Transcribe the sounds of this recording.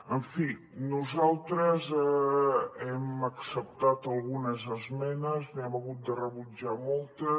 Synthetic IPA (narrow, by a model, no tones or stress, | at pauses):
əɱfi | nuzalˠt̪ɾəzɛ | ɛməksəp̚t̪at̪əlˠɣunəzəzmɛnəznɛməɣut̪̚d̪ərəβud͡ʒamɔlˠt̪ə